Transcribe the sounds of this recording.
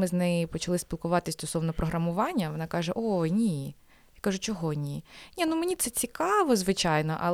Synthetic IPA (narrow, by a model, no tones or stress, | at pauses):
mɪznɛjɪpɔt͡ʃɐlˠɪspʲilˠkʊʋɑt̪ɪsʲst̪ɔsɔwnɔpɾʔɔɦɾɐmʊʋɑnʲːɐʋɔnɑkɑʒɛʔonʲi | jakɑʒʊt͡ʃɔɦɔnʲinʲinumenʲit̪sɛt͡sʲikɑʋɔzʋɪt͡ʃɑjnɔ̰ʔɐ̰l